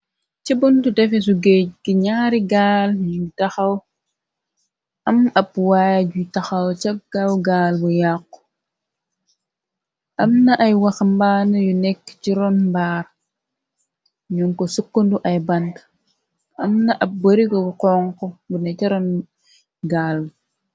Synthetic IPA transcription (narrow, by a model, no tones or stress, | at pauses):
t͡ʃibuntudɛfis̬uɡeɡiɲaːɾiɡaːljutaxɐw | ʔɐmɐp̚wajaɟutɐxɐwt͡ʃɐɡ̥awɡaːlbujakː | ʔɐmnɐʔɐjwɐxmbaːnɐjunɛkːt͡ʃiɾɔnmbaːɾ | ɲuŋkosukːunduʔɐjbɐnd | ɐmnɐʔɐp̚bəɾiɡɔbuqɔːŋkɔbunɛt͡ʃiɾɔn | ɡaːlb